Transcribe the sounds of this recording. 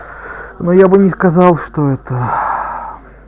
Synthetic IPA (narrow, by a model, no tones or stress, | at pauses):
nojabɨnʲɪskɐzɑlˠʂt̪oɛt̪ə